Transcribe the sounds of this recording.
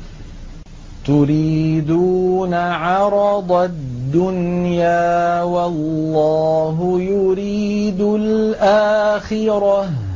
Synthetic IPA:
t̪ʊɾiːd̪uːnaʕɑɾˤɑd̪ˤɑd̪ːʊnjaːwɑlːɑːɦʊjʊɾiːd̪ʊlʔaːxɪɾɑ

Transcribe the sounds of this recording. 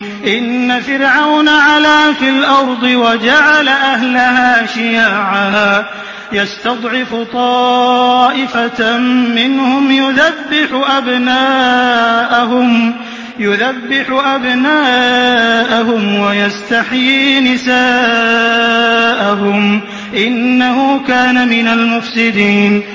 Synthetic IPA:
ʔɪnːafɪɾʕawnaʕalaːfɪlʔɑɾˤd̪ˤɨwad͡ʒaʕalaʔaɦlahaːʃɪjaːʕa | jast̪ɑd̪ˤʕɪfʊt̪ˤɑːʔɪfamɪnhʊmjʊðabːɪħʊʔabnaːʔaɦʊm | jʊðabːɪħʊʔabnaː | ʔaɦʊmwajast̪aħjiːnɪsaː | ʔaɦʊm | ʔɪnːahuːkaːnamɪnalmʊfsɪd̪iːn

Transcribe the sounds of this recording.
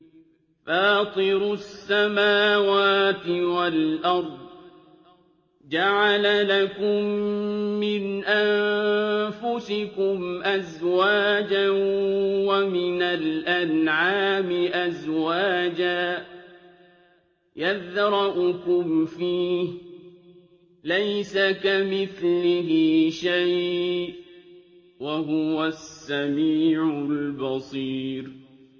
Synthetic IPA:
faːt̪ˤɨɾʊsːamaːwaːt̪ɪwalʔɑɾˤd̪̚ˤ | d͡ʒaʕalalakʊmː | ɪnʔan | fʊsɪkʊmʔazwaːd͡ʒanwamɪnalʔanʕaːmɪʔazwaːd͡ʒaː | jaðɾˤɑʔʊkʊmfiːh | lajsakamɪθlɪɦɪʃajʔʔ | waɦʊwasːamiːʕʊlbɑsˤiːɾ

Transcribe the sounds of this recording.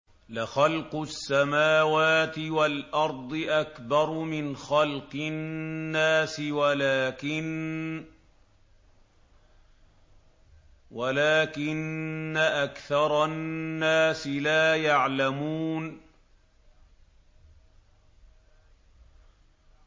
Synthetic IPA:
lɪxɑlqʊsːamaːwaːt̪ɪwalʔɑɾˤd̪ˤɨʔakbɑɾˤmɪnxɑlqɨnːaːsɪwalaːkɪ | walaːkɪnːaʔakθɑɾˤɑnːaːsɪlaːjaʕlamuːn

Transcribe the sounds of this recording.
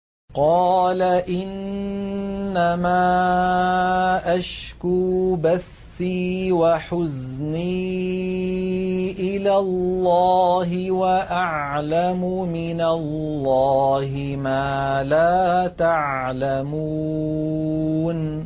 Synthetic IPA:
qɑːlaʔɪnː | amaː | ʔaʃkuːbaθːiːwaħʊzniː | ʔɪlalːɑɑːɦɪwaʔaʕlamʊ | mɪnalː | ɑːhɪmaːlaːt̪aʕ | lamu | n

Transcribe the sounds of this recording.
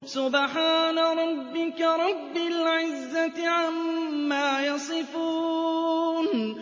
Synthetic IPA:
sʊbħaːnaɾˤɑbːɪkaɾˤɑbːɪlʕɪzːat̪ɪʕamːaːjɑsˤɨfuː | n

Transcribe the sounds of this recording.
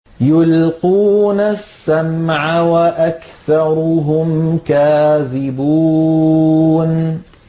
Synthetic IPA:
jʊlquːnasːamʕawaʔakθɑɾˤʊɦʊmkaːðɪbuː | n

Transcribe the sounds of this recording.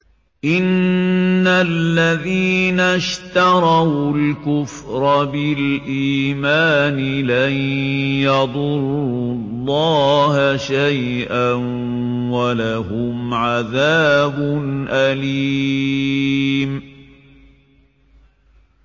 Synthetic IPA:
ʔɪnː | alːaðiːnaʃt̪ɑɾˤɑwlkʊfɾˤɑbɪlʔiːmaːnɪlajjɑd̪ˤʊɾːʊlˤːɑːhaʃaj | ʔan | walahʊmʕaðaːbʊnʔaliː | m

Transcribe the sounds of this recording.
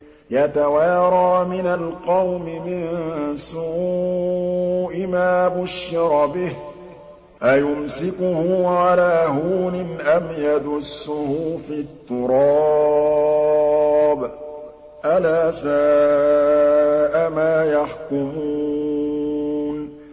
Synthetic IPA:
jat̪awɑːɾˤɑːmɪnalqɑwmɪmɪnsuː | ʔɪmaːbʊʃːɪɾbɪh | ʔajʊmsɪkʊhʊʕalaːɦuːnɪnʔamjad̪ʊsːʊhʊfiːt̪ːʊɾˤɑː | b | ʔalaːsaː | ʔamaːjaħkʊmuː | n

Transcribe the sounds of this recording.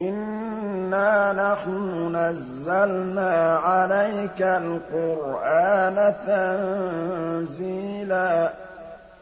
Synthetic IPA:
ʔɪnː | aːnaħnʊnazːalnaːʕalajkalqʊɾʔaːnat̪an | ziːlaː

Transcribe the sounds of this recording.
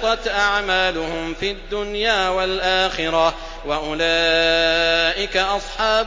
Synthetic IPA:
t̪ˤɑt̪ʔaʕmaːlʊhʊmfiad̪ːʊnjaːwalʔaːxɪɾɑ | waʔʊlaː | ʔɪkaʔɑsˤħɑːb

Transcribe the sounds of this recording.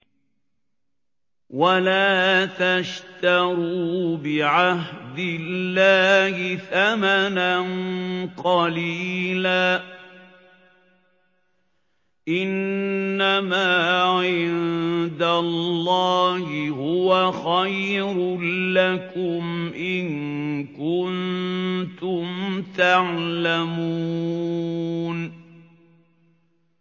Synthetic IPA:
walaːt̪aʃt̪ɑɾuːbɪʕahɦd̪ɪlːaːhɪθamananqɑliːlaː | ʔɪnːamaːʕɪnnd̪alːɑːhɪhʊwaxajɾlakʊmʔɪŋkʊnt̪ʊmt̪aʕlamuuː | n

